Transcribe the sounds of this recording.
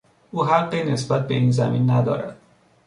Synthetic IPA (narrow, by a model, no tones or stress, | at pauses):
ʔuːɦæɢːiːne̞sbæt̪̚be̞iːnzæ̰minːæd̪ɒ̰ːɾæ̰d̪̥